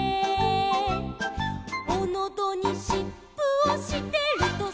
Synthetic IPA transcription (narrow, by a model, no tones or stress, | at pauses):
onod̪oɲ̟iɕipːɯoɕit̪e̞ɾɯ̟t̪o